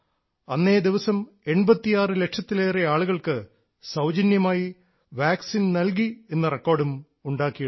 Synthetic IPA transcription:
ɐnːe̞ːd̪iʋɐsɐm | e̞ɳbɐt̪ːijaːrɨle̞kʂɐt̪ːileːreaːɭuɣɐɭkɨ | sɐwd͡ʑɐnjɐmaːji | ʋaːksinnɐlk̬ie̞nːɐrekːo̞ːrɖum | uɳɖaːkːijɐ

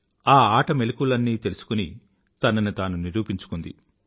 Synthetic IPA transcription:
aːaːʈɐmelukulɐnːiːt̪e̞lusu̥kuni | t̪ɐnɐnut̪aːnuniɾuːpiɲt͡ʃu̥kund̪ḭ

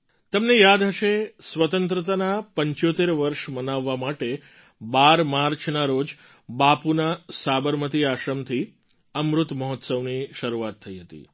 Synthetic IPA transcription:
t̪əmnejad̪ɦəʃesʋət̪ənt̪ɾət̪anapəɲt͡ʃot̪eɾʋəɾʃmənaʋːamaʈe | baɾmaɾt͡ʃʰnaɾod͡ʒ | bapunasabəɾmət̪iaʃəmt̪ʰi | əmɾut̪məɦɔt̪səʋniʃəɾuat̪ʰːəiɦət̪ḭ

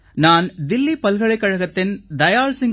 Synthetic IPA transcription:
naːnd̪ɪlːipɐlɣɐɭɐɪkːɐɻɐɣɐt̪ːɪnd̪ɐjaːɭsɪŋ

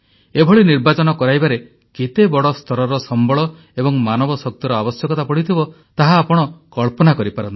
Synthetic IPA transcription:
ebʱɔɭiniɾbat͡ʃɔnɔkɔɾajbaɾe | ket̪ebɔɽɔst̪ʰɔɾɔɾɔsɔmbɔɭɔ | ebɔŋmanɔbɔsɔk̚t̪iɾɔabɔsjɔkɔt̪apɔɽ̤it̪ʰibɔ | t̪aɦaːpɔɽ̃ɔkɔɭpɔnakɔɾipaɾɔnt̪a

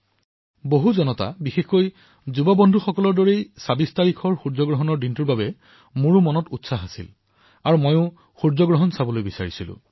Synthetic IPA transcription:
boɦuzɔnɔta̰bixexkoj | zubɔbɔndʱuxɔkɔlɔɹdɔɹejsabistaɹikʰɔɹxuɹzɔɡɹɔɦɔnɔɹdintuɹbabɛ | muɹumɔnɔtutsaɦasḭl | aɹumɔjʊ̃ | xuɹzɔɡɹɔɦɔnsabɔlojbisaɹisilʊ̰̃

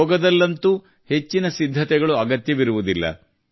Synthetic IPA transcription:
ɔːɡɐd̪ɐlːɐnt̪u | he̞t͡ʃːinɐsid̪ʱːɐt̪ɛɡɐɭuɐɡɐt̪jɐʋiɾuʋud̪ilːɐ̰

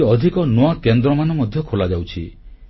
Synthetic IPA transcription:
ɔd̪ʱikɔnoakend̪ɾɔmanɔmɔd̪ʱjɔkʰolad͡ʒawt͡ʃʰḭ

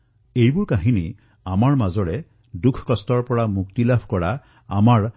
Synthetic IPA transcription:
ejbʊɹkaɦini | amaɹmazɔɹɛ | dukʰkɔstɔɹpɔɹamukt̪ilabʱkɔɹa | amaɹ

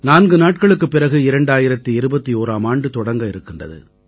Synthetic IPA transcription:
naːnɡɯnaːʈ̚kɐɭɯkːɯpːɪɾɐɣɯɪɾɐɳɖaːjɪɾɐt̪ːɯɪɾɯbɐt̪ːioːɾaːmaːɳɖɯt̪ɔɽɐŋɡɐɪɾɯkːɪndrɐ̰ðɯ̰

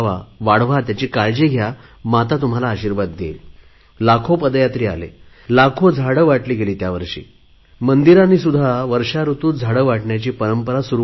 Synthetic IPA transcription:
a̰ʋaɽʋ̤at̪jat͡ɕiːkaɭd͡ʑeɡʱja | mat̪at̪um̤alaːɕiːɾʋat̪̚ɡḛl | lakʰopəd̪jat̪ɾiːa̰lḛ | lakʰod͡zʱaɽəʋaʈliːɡeliːt̪jaʋəɾʂḭː | mənd̪iɾãnːiːsud̪ʱːaʋəɾʂaɾut̪uːd͡zʱaɽəʋaʈɳjat͡ɕiːpəɾəmpəɾasuɾu

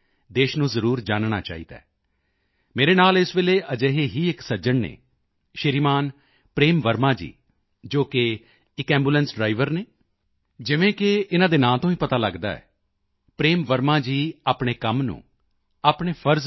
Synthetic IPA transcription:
d̪eːʃnũːzəɾuːɾd͡ʒaːnɳa̰ːt͡ʃa̰ːḭːd̪a̰ː | meːɾeːnaːlɪsʋɪleːʔəd͡ʒeɦeːɦiːɪksəd͡ʒəɳnḛː | ʃɪɾiːmaːn | pɾeːmʋəɾmãːd͡ʒḭː | d͡ʒoːkɪ | ɪkɛ̃ːmbulɛnsɖɾaːɪʋəɾneː | d͡ʒɪʋẽːkɪɪnãːd̪eːnãːt̪õːiːpət̪aːləɡd̪a̰ːɛ̰ː | pɾeːmʋəɾmãːd͡ʒiːaːpɳeːkəmnṵ̃ː | aːpɳeːpʰəɾz

